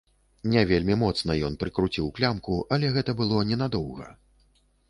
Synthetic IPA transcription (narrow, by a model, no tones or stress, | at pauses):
nʲɛvʲelʲmʲimɔt̪sn̪ɐjɔn̪pɾɨkɾut͡sʲiwklʲamkuʔɐlʲɛɣɛt̪ɐbɨlˠɔnʲɛnad̪ɔwɣɐ̰